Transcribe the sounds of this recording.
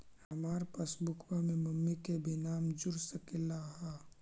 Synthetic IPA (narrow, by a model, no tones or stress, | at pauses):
hɐmaːɾpəsbʊkʰwamẽmɐmːikebʱinaːmd͡ʒʊɾsəkɪlaɦaː